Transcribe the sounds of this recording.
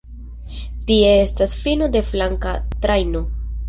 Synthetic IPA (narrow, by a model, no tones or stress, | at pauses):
tie̞e̞stasfinode̞flaŋkat̪ɾajno̞